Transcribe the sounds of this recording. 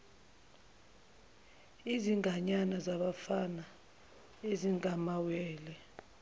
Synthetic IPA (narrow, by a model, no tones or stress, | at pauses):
iziŋʱaɲanazaɓafana | eziŋʱamawɛːlɛ